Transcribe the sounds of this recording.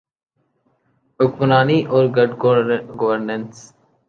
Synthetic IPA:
ʊkmənaːniʔɔːɾɡəɖɡɡɔʋəɾnə̃ns

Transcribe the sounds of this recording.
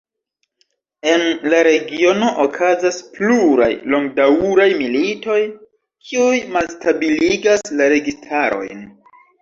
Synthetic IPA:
e̞nlaɾe̞ɡio̞no̞ʔokʰazaspluɾa̰jlo̞ŋɡdawɾajmilito̞j | kʰiujmalstabiliɡaslaɾe̞ɡistʰaɾo̞̰jn

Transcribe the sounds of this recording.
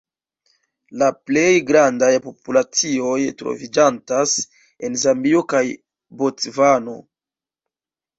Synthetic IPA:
laplejɡɾandajpo̞pulat͡sio̞jtɾo̰vid͡ʒantas | e̞nzambiokaj | bot͡svano̞̰

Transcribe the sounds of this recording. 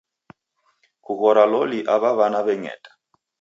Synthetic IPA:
kuɣɔɾalɔliʔaβaβanaβɛŋɛ̰ːtʼḁ

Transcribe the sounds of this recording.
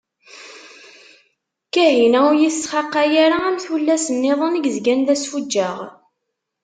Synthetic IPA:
kæɦinæujiθsχɑqːajaɾaæmθulːæsənːɪðˤənəɡzɡænðæsfud͡ʒːæʁ

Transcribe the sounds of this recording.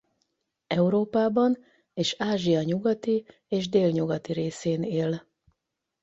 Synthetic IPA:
ɛuɾoːpaːbɒn | eːʃaːʒiɒɲuɡɒt̪i | eːʒd̪eːlɲuɡɒt̪iɾeːseːneːl

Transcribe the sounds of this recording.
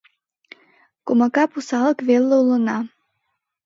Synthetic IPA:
komakɑpusɑlˠəkvelːəulənɑ

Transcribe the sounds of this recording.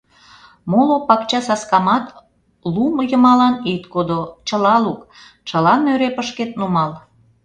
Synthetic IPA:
molopɑkt͡ɕɑsɑskɑmɑt̪ | lumojəmɑlɑnit̪kod̪ot͡ɕəlɑluk | t͡ɕəlɑnøɾepəʃket̪̚numɑl

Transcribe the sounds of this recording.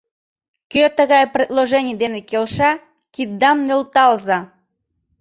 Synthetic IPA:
køt̪əɣɑjprʲed̪loʒenʲijd̪enekelʃɑ | kid̪ːɑmnʲəlt̪ɑlzɑ

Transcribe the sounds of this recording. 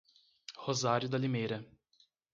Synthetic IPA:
hozaɾʲjʊd̪ɐlimejɾɐ

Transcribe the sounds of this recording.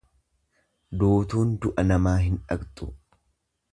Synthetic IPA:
d̪oːt̪uːnd̪ʊʔɐnɐmaːɦɪnᶑɐɡt̪ʼʊ̥

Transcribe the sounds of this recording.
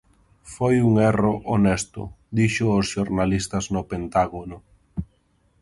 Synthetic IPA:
fojuŋɛroʔonɛst̪ʊ̰ | d̪iʃʊosʃoɾnalist̪ɐznopent̪aɣonʊ

